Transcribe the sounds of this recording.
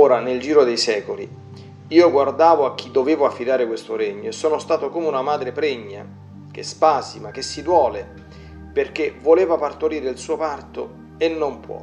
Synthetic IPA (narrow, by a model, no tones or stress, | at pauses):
oːɾaneld͡ʒiːɾod̪ejsɛːkolḭ | iːoɡward̪aːvoak̟ːid̪ːoveːvoafːid̪aːɾekwest̪oɾeɲːoesːoːnost̪aːt̪okoːmeunamaːd̪ɾepɾɛɲːa̰ | k̟espaːsimak̟esːid̪wɔːle | perk̟evoleːvapart̪oɾiːɾeilsuːopart̪o | enːompwɔ̰